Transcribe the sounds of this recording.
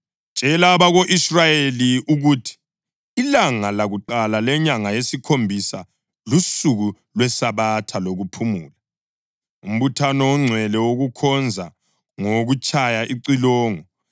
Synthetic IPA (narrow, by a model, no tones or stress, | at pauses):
t͡ʃʼɛlaβaɣoʔisrajeliuɣutʰi̥ː | laŋalaɣuǃalalɛɲaŋajesikʰombʱisa | lusuɣu | lwɛsaβatʰaloɣupʰumuːla | um̩βutʰanɔwɔŋ͡ǀʱwɛlɛwoɣukʰɔnd͡zʱa | ŋoɣut͡ʃʰʼajaʔiǀilɔːŋɔ